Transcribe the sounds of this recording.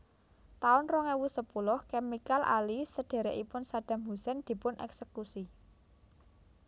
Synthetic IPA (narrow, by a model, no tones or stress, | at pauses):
t̪aʊnrɔŋewusəpulʊhkemikalʔa̰lisəɖ̪̥e̤ɾɛʔipʊnsaɖ̪̥ä̤mɦusɛnd̪̥i̤pʊnʔɛ̰ksəkusi